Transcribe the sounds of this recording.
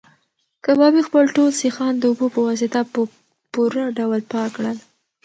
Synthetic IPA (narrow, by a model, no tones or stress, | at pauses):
kabɑbixpəlʈolsixɑnd̪əubopəwas̬ɪt̪apə | puɾaɖawlpɑkɽəl